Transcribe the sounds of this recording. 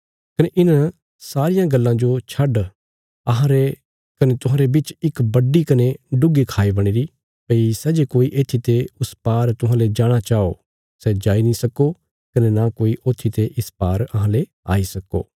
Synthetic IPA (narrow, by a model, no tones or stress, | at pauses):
kɐneʔɪna | saːɾɪjãɡɐlːãd͡ʒot͡ʃʰɐɖ | ɐɦãɾe | kɐnet̪ʊɦãːɾebɪt͡ʃɪkbɐɖːikɐneɖʊɡikʰaːibɐɽ̃eɾi | pɐisɛːd͡ʒekoːiʔeːt̪ʰːit̪eʊspaːɾt̪ʊɦãːled͡ʒaːɽ̃at͡ʃaːo | sɛd͡ʒaːinĩsɐko | kɐnenakoːiʔoːt̪ʰːit̪eʔɪspaːɾɐɦãle | a̰ːisɐkːo̰ː